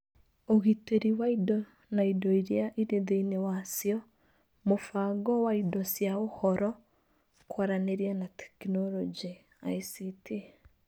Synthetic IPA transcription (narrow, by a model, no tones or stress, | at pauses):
oɣiteɾiwaidɔ | naidɔiɾiaʔiɾeðeinewasiɔ | mofaɡɔwaidɔsjaohɔɾɔ | kwaɾaneɾianatʰɛ̥knɔlɔd͡ʒi | a̰isitʰi